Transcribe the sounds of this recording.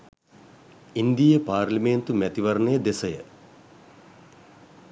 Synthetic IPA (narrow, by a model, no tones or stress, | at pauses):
ind̪ijɐpaːɾliment̪umɛt̪iʋɐɾnejd̪esɐjɐ̰